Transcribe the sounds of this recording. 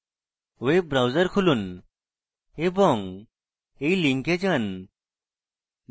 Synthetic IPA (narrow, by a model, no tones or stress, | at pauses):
webɾawzəɾkʰulun | ebɔŋ | eiliŋked͡ʑən